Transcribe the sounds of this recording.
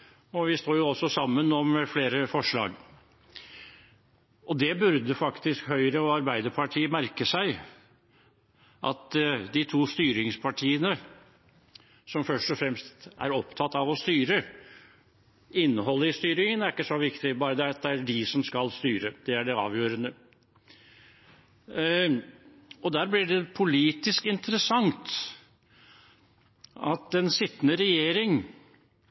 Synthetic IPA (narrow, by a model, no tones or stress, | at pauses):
ɔʋɪst̪oːjʊɔsːɔsɑmːənɔmfleːɾəfɔʂɭɑ̰ːɡ | ʔɔd̪ɛbʉɾd̪əfɑkt̪ɪskhœʏɾəɔɑɾbæɪd̪əɾpʰɑʈʰiːəmæɾkəsæɪ | ʔɑ̰t̪d̪ɪt̪ʰuːst̪yːɾɪŋspʰɑʈʰiːənə | sɔmfœʂʈɔfɾɛmst̪ʔæ̰ɾɔpt̪ʰɑt̪ːɑʋɔst̪yːɾə | ɪnːəɦɔlːəɪst̪yːɾɪŋənæɾɪkːəsɔʋɪkt̪ɪbɑːɾəd̪ɛæd̪ɛæɖɪsɔmskɑlst̪yːɾəd̪̥ɛæɖɛɑ̰ːʋjøːɾənə | ɔd̪æːɾblɪɖɛpʰʊliːt̪ɪskɪnt̪əɾəsɑŋt̪ | ɑt̪ɛnsɪt̪ːnəɾɛjeːɾɪŋ